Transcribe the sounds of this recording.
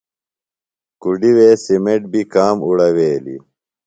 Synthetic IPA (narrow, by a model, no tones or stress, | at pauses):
kuɖiweːsimeʈ̚bikaːmuɽɐweːlḭ